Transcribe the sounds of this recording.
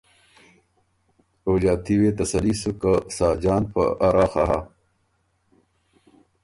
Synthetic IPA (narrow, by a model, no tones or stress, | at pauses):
oːd͡ʑaːt̪iwet̪ɐsɐlisukasaːd͡ʑaːnpɐ̰ʔaɾaːxaɦa̰